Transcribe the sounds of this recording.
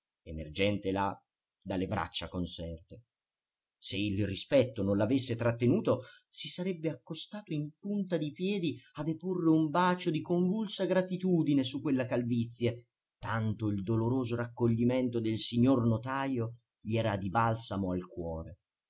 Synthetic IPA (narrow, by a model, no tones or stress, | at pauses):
emerd͡ʒɛnt̪ela | d̪alːebɾa̰t͡ʃːakonsɛrt̪e | seilrispɛt̪ːononlavesːet̪ɾat̪ːenuːt̪o | sisaɾɛbːeakːost̪aːt̪oimpunt̪ad̪ipjɛːd̪iad̪eporːeumbaːt͡ʃod̪ikoɱvulsaɡɾat̪it̪uːd̪inesukːwelːakalvit̪sːja | t̪ant̪oild̪oloɾoːzoɾakːoʎːiment̪od̪elsiɲːornot̪aːjo | ʎiɛːɾad̪ibalsamoalkwɔːɾe